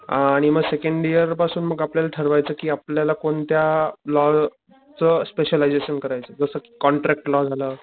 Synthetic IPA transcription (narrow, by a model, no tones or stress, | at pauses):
aɽ̃iməɡsekeɳɖijəɾpasuːnməɡapljalaʈʰəɾʋajt͡səːkiːapljalakoɳt̪jalɔ | t͡səspeɕəlajd͡zeɕənkəɾajt͡səːd͡zəsəki̥ːkɔɳʈɾɛk̚ʈlɔd͡zʱaləː